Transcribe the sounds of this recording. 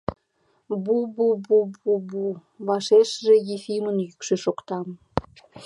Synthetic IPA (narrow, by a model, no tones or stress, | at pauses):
bububububu | βɑʃeʃʒejifimənjykʃeʃokt̪ɑm